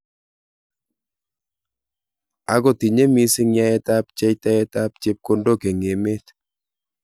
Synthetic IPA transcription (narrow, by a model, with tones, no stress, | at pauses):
a˨ko˨ti˨ɲe˦mi˦sɪ˦ŋja˦ɛ˦ta˦p̚t͡ʃɛ˦jta˦ɛ˦ta˦p̚t͡ʃe˦p̚ko˦ndo˦ke˨ŋe˨me˦t̪